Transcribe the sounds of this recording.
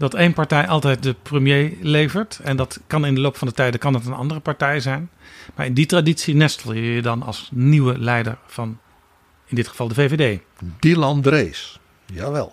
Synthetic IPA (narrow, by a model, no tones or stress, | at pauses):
dɑtejnpɑɹtɛjʔɑlˠtɛjt̚dəprəmjejlejvəɹtɛndɑtkɑnɪndəlowpfɑndətɛjdəkɑnətənɑ̰ndərəpaɹtɛjzɛjnmaːɹɪnditraditsinɛstəl̩ˠjəjədɑnɑ̰lˠsniwəlɛjdəɹv̥ɑn | ɪndɪtχə̥v̥ɑlˠdəvevedej | dilɑndreːs | jaʋɛ̰lˠ